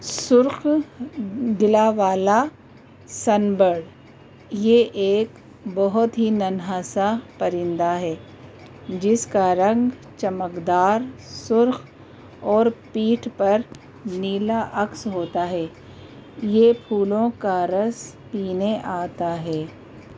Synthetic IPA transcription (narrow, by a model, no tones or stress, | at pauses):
sʊɾx | ɡ̪ɪlaʋaːla | sɐnbəɽ | jeʔeːk | bɔɦʊt̪ɦinɐnɦaːsapɐɾɪ̃nd̪aɦɛː | d͡ʒɪskaɾɐ̃ŋɡ | t͡ʃɐməkd̪aːɾsʊɾx | ɔːɾpiːʈʰpɐɾ | niːlaʔɐksɦoːt̪aɦɛː | jepʰuːlõkaɾɐs | piːneʔaːt̪aɦɛː